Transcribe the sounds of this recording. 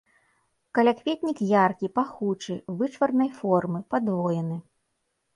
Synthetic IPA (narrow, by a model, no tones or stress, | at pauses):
kɐlʲakvʲet̪ʲnʲikjarkʲipaxut͡ʂɨvɨt͡ʂvɐrnɐjfɔrmɨpad̪vɔjɛnɨ